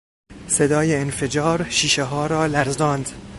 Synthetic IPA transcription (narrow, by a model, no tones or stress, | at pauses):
se̞d̪ɒːjeːnfe̞d͡ʒɒːɾʃiːʃeɦɒːɾɒːlæɾzɒːnd̪